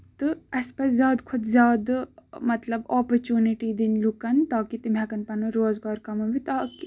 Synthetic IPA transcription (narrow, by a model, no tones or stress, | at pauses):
t̪ɨɐspɐszʲjaːd̪kʰʊd̪zʲjaːd̪mɐt̪lɐboːpɐɾt͡ʃuːniʈiːd̪inlukɐnt̪aːkit̪imɛkɐnpɐnuɾoːzɡaːɾkɐmɐʋit̪aːki